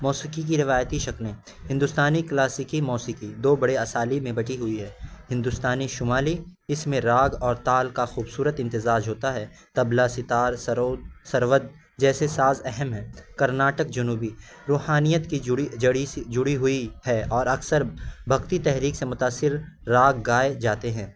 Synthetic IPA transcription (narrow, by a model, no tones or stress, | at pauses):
mɔːsikik̬iɾɪʋaːjt̪iʃɐknẽː | hɪ̃nd̪ʊst̪aːniklaːsikimɔːsikid̪oːbɐɽeɐsaːlimẽbɐʈiɦʊiɦɛːhɪ̃nd̪ʊst̪aːniʃʊmaːliɪsmẽɾaːɡɔːɾt̪aːlkaxuːbsuːɾət̪ɪ̃nt̪ɪzaːd͡ʒɦoːt̪aɦɛ | t̪ɐblasɪt̪aːɾssɐɾʋəd̪̚ | d͡ʒɛːsesaːzɛɦɛmɦɛ̃ːkɐɾnaːʈək̚d͡ʒɐnuːbi | ɾoːɦaːnijət̪kid͡ʒʊɽid͡ʒʊɽiɦʊihɛɔːɾɐksəɾbʱɐɡt̪it̪ɛɦɾiːksemʊt̪aːsːɪɾː | aːɡːaːed͡ʒaːt̪eɦɛ̃ː